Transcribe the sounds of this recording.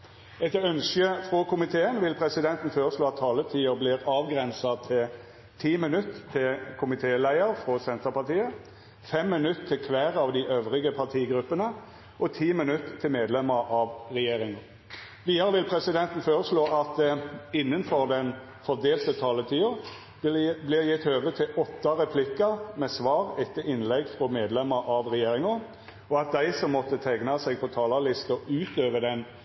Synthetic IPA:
ɛt̪œnʃəfʁɔkʊmɪt̪ʰeːənʋɪlpʰʁɛsɪd̪ɛnt̪n̩føːʁəsloːɑt̪ʰːɑːlət̪ʰiːəblɪːʁɑːʋɡʁɛnsɑt̪ʰɪ | t̪ʰiːmɪnʉt̪ʰːɪlkʰʊmɪt̪ʰeːlæɪəɾfʁɔsɛnt̪əpɑʁt̪ʰiːə | fɛmːɪnʉt̪ʰːɪlkʰʋæːʁɑʋd̪ɪʔøːʋʁɪɡəpʰɑʁt̪ʰiːɡʁʉpːənə | ʔɔt̪ʰiːmɪnʉt̪ʰːɪlmeːd̪lɛməʁɑʋʁɛjeːʁɪŋɑʁ | ʋiːd̪ɑɾəʋɪlpʰʁɛsɪd̪ɛnt̪ən̩føːɾəsloːʔɑt̪̚ɪnːənfɔʁd̪ɛn | fɔʁd̪eːlt̪ət̪ʰɑːlət̪ʰiːʊ | blɪɾjɪt̪ːhøːʋət̪ʰɪlɔt̪ːɑɾɛpʰlɪkːɑmɛsʋɑːʁɛt̪ːəʔɪnlɛɡfʁɔmeːd̪lɛməɾʔɑʋʁɛjeːʁɪŋʊ | ɔɑt̪̚d̪æɪsɔmːɔt̪ːət̪ʰɛɡnɑsɛɡ̚pʰɔt̪ʰɑːlɑlɪst̪əʉːt̪øːʋəd̪ɛn

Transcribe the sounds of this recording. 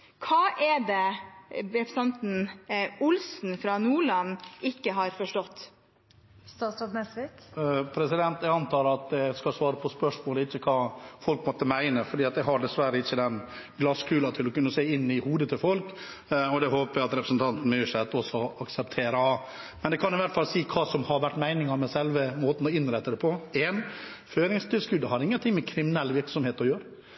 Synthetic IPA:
kʰɑːʔɛd̪ɛ | ɾɛpɾəst̪ɑnt̪n̩ʊlsn̩fɾɑnuːɭɑnːɪkːəɦɑɾfɔʂʈɔt̪ː | st̪ɑsɑd̪nɛsɪpʰɾɛsɪd̪ɛnt̪ɛɑnt̪ʰɑːləɑt̪̚d̪ɛskɑlsʋɑːɾəpʰɔspœʂmoːləɪçːəkʰɑːfɔlkmɔt̪ːəmæɪnəfɔɖiːɑt̪jæhɑɖɛsʋæɾəɪçːəd̪ɛn | ɡlɑskʰʉːlɑt̪ʰɪlɔkʉnːəseːɪnːɪhuːd̪ət̪ʰɪlfɔlk | ɔd̪ɛɦoːpəæɑt̪ɾɛpɾəsn̩t̪ʰɑnt̪n̩mɛʂɛt̪ːɔsɔɑksɛpt̪ʰeːɾə | mɛnd̪ɛkʰɑnɪʋæɾʈ̪fɑlsiːkʰɑːsɔmhɑɾʋæʈːmæɪnɪŋɑmɛsɛlʋəmoːt̪n̩ɔɪnɾæɪt̪ːəd̪ɛpʰɔeːn | føːɾɪŋst̪ʰɪlskʉd̪ːəhɑɾɪŋːənt̪ɪŋːmɛkʰɾɪmɪnɛlːʋɪɾksɔmheːt̪ɔjøːɾə

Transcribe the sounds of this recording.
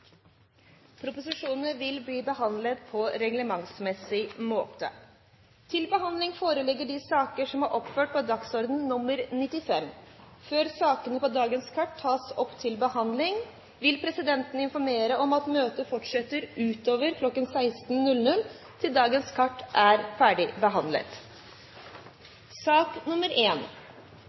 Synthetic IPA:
pʰɾʊpʊsɪʂuːnnəʋɪlbliːbəhɑnd̪lət̪pʰɔɾɛɡləmɑŋsmɛsɪmoːt̪ə̰ | t̪ʰɪlbəɦɑnd̪lɪŋfoːɾəlɛɡːəɖɪsɑːkəʂɔmhɑɾʔɔpføːʈ̚pɔd̪ɑksɔɾd̪nnʊmːəɾnɪt̪ɪfɛmføːɾsɑːkənəpɔd̪ɑːɡənskʰɑʈʰːɑːsɔpt̪ʰɪlbəhɑnd̪lɪŋ | ʋɪlpʰɾɛsɪd̪ɛnt̪n̩ɪnfɔɾmeːɾəʔɔmɑt̪møːt̪əfɔʈʂɛt̪ːəɾʉːt̪oːʋəɾkʰlɔkːənsæɪst̪n̩nʉlnʉl | t̪ʰɪld̪ɑːɡənskʰɑʈːʔæɾfæːɖɪbəɦɑnd̪lə̰t̪ | sɑːknʊməɾʔeːn

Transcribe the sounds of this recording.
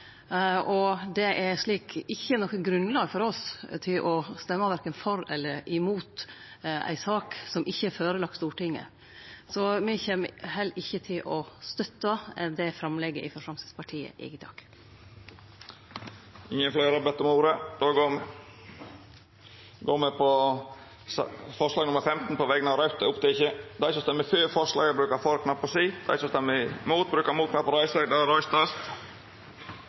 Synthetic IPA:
ʔɔd̪ɛʔæɾʂɭiːkɪçːənɔkːəɡɾʉnlɑːɡfɔɾɔst̪ʰɪlʔɔst̪ɛmːəʋæɾkənfɔɾɛlːəɾɪmuːt̪ʔæ̰ɪsɑːksɔmʔɪçːəføːɾəlɑk̚t̪st̪uːʈɪŋːə̰ | sɔmɪçɛməɦɛlːʔɪçːət̪ʰɪlʔɔst̪œt̪ːəd̪ɛfɾɑmlɛɡːəʔɪfɔʂɑmsɛspʰɑʈʰiːə̰ʔɛ̰ɡəd̪ɑ̰ːɡ | ɪŋːənflæːɾəbɛt̪ːəɔmuːɾəd̪̥oːɡoːm | ɡoːmɛpʰɔ | sfɔʂlɑːɡnʊməɾfɛmt̪n̩pʰɔʋɛɡənɑʋɾɑʉt̪əʊpt̪ɪɪçəd̪æɪsɔst̪ɛmːəføːfɔʂlɑ̰ːɡəbɾʉːkəɾfɔɾkʰnɑpːɔsiːd̪̥æ̰ɪsɔst̪ɛmːəmuːt̪̚bɾʉːkəmuːt̪knɑpːɔɾæɪsəɡd̪ɑɾɔʏst̪ɑst̪

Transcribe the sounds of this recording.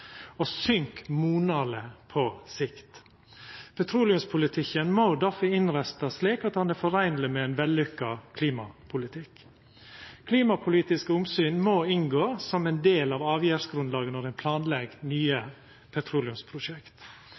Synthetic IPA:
osʏŋkmuːnɑləpʰɔsɪkt̪ | pʰɛt̪ʰɾuːlɪʉmspʰʊlɪt̪ʰɪkːənmoːd̪ɑfəɪnɾæst̪ɑsliːkɑt̪hɑnɛfɔɾæɪnlɪmɛɛnʋɛlːʉkːɑkʰliːmɑpʰʊlɪt̪ʰɪkː | kʰliːmɑpʰʊliːt̪ɪskəʊmsyːnmoːɪŋɡoːsɔmɛnd̪eːlɑːʋɑːʋjæːɾsɡɾʉnd̪lɑːɡənɔɾæɪnpʰlɑːnlɛɡnyːə | pʰɛt̪ʰɾuːlɪʉmspʰɾʊʂɛkt̪

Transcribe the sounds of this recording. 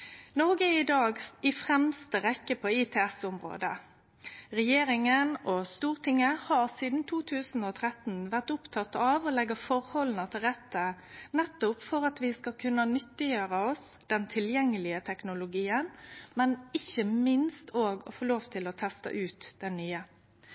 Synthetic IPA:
nɔɡəɪd̪ɑːɡɪfʁɛmst̪əʁɛkːəpʰɔɪt̪ʰeːɛsʊmʁo̰ːd̪ə | ʁɛjeːɾɪŋənɔst̪uːʁt̪ʰɪŋːəhɑʁsiːd̪n̩t̪ʰuːt̪ʰʉːsn̩ɔt̪ʰʁɛt̪n̩ʋæʁt̪ʊpt̪ʰɑt̪ːɑʋɔlɛɡəfɔʁhɔln̩ət̪ʰɪlʁɛt̪ːə | nɛt̪ːʊpfɔʁɑt̪ʋɪskɑkʰʉnːənʏt̪ːɪjøːʁəɔs | d̪̥ɛnt̪ʰɪljɛŋːəlɪət̪ʰɛknʊlʊɡiːənmɛnɪçəmɪnst̪ʰoːɡɔfoːloːʋt̪ʰɪlɔt̪ʰɛst̪ə̰ʔʉːt̪d̪̥ɛnːyːə

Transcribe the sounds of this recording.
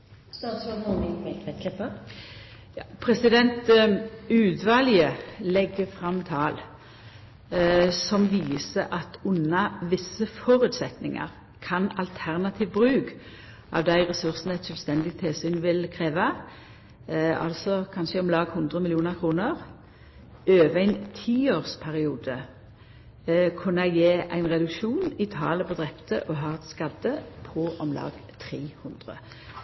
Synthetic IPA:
st̪ɑːt̪sɔhɔnɪʋɛlt̪ʋɛt̪kʰɛpːə | jɑːpʰɾɛsɪd̪ɛnt̪ | ʉːd̪ʋɑːljəlɛɡːəfʁɑmːt̪ʰɑːl | sɔmʋiːsəʔɑt̪ʊnːɑʋɪsːəfɔʁʉːt̪sɛt̪nɪŋɑ̰ʁ | kʰɑnɑlt̪ʰæʁnɑt̪ʰiːʋbʁʉːk | ʔɑ̰ʋd̪æɪʁɛsʉʁsnɛt̪ʃœːlst̪ɛnd̪ɪt̪ʰɪlsyːnʋɪlkʰʁeːʋɑ | ɑ̰lsɔkʰɑnʃəɔmlɑːɡhʉnd̪ʁəmɪlɪuːnəʁkʰʁuːnəʁ | øːʋəæɪnt̪ʰiːoːʁspʰæʁɪuːd̪ə | kʰʉnːəæɪjeːʔæ̰ɪnʁɛd̪ʉkʃuːnɪt̪ʰɑːləpʰɔd̪ʁɛpt̪əʔɔɦɑːt̪skɑd̪əpʰɔʔɔmlɑ̰ːɡt̪ʰʁiːhʉnd̪ʁə̰

